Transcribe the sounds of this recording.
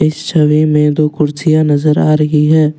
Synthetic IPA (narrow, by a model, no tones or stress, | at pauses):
ɪst͡ʃʰɐʋemẽd̪oːkʊɾsijanɐzəɾaːɾɐɦiɦɛː